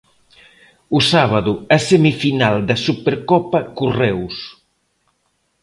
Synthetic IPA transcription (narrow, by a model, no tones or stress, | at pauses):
ʊsaβ̞aðʊasemifinald̪ɐsupeɾkɔpɐkurɛws